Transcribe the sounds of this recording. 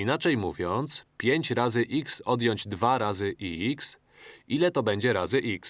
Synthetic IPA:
inat͡ʂɛjmuvʲjɔnt̪spʲjeɲt͡ɕɾazɘʔiksɔd̪jɔɲd͡ʑd̪vaɾazɘʔiiks | ilɛt̪ɔbɛɲd͡ʑɛɾazɘʔiks

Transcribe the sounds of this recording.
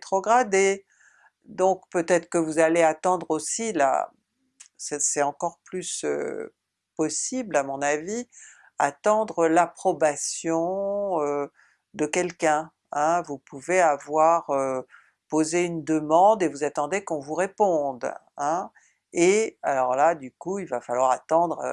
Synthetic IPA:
t̪χɔɡʁad̪e | d̪ɔ̃kpøt̪ɛt̪χə̥kəvuzaleat̪ɑ̃d̪ʁosila̰ | sɛsɛɑ̃kɔʁplysø̰ | pɔsiblamɔ̃navi | a̰t̪ɑ̃d̪ʁəlapχɔbasjɔ̃ø | d̪əkɛlkɛ̃ | ɛ̃vupuveavwaʁø | pozeynd̪əmɑ̃d̪evuzat̪ɑ̃d̪ekɔ̃vuʁepɔ̃d̪ɛ̃ | ealɔʁlad̪ykuilvafalwaʁat̪ɑ̃d̪ʁ̰

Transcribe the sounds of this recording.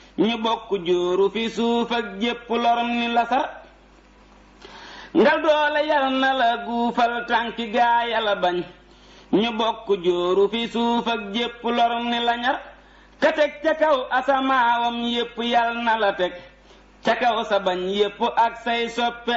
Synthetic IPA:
ɲubokːuɟoːɾufisuːfɐk̚ɟepːuloɾnilɐsɐɾ | ŋɡaldɔːlejɐlnalaɡufaltaŋkiɡajalabaɲ | ɲubokːuɟoːɾufisuːfɐk̚ɟepːuloɾnilɐɲɐɾ | katek̚t͡ʃakawʔasamaːwomjepːujalnɐlɐtek̚ | t͡ʃakawsabaɲjepːuʔak̚sɐjsopːe

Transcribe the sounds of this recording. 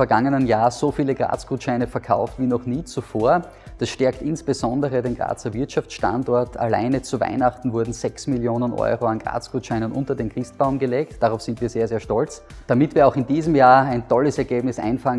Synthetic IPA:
fɛɐɡaŋənənjaːz̥ofiːləɡʁa̰ːt͡sɡ̥uːtʃaɪnəfɛɐkʰaʊftviːnɔχniːt͡sufoːɐ | d̥asʃtɛɐktɪnsb̥əzɔndəʁədeːnɡʁa̰ːt͡sɐvɪɐtʃaft͡sʃtã̰ndɔɐtʰa̰la̰ɪnət͡suva̰ɪnaχtn̩vʊɐdn̩zɛksmɪljoːnənʔɔ̰ʏʁoanɡʁa̰ːt͡sɡ̥uːtʃaɪnənʔʊ̰ntɐdeːnkʁ̥ɪst̚b̥aʊmɡəleːktd̥aʁaʊfsɪntviːɐzeːɐzeːɐʃtɔlt͡s | d̥amɪtv̥iːɐaʊxɪndiːzəmjaːɐæɪndʰɔləsɛɐɡeːbnɪsʔa̰ɪnfaŋ

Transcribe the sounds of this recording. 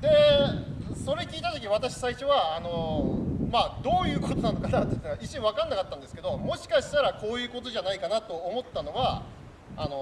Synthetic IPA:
d̪e̞ | so̞ɾe̞kʲiːt̪at̪okʲiɲiβat̪aɕi̥saiɕo̞βaːno̞ | mad̪o̞ːjɯ̟ːko̞t̪o̞nãnokanat̪ːet̪ːaʔit͡ɕĩβakãnːakat̪ːãnd̪esɨ̥ke̞d̪o̞mo̞ɕi̥kaɕi̥t̪aɾako̞ːjɯ̟ːko̞t̪o̞ʑanaikanat̪o̞ːmo̞t̪ːano̞βa | ano̞

